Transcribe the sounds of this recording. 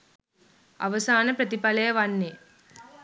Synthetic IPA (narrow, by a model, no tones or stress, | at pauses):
a̰ʋəsaːnəpɾət̪ipɐləjəʋanːe